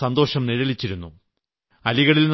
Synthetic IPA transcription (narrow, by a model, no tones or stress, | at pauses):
ɐnd̪o̞ːʂɐmniɻɐlit͡ɕːiɾunːu | ɐliɣɐɭiln